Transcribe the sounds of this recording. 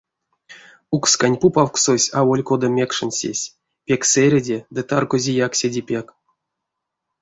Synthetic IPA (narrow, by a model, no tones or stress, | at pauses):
ukskanʲpupawksosʲawolʲkod̪amʲekʂɨnʲsʲḛsʲ | pʲekʲseɾʲedʲed̪ɨt̪arɡozʲijaksʲedʲipʲek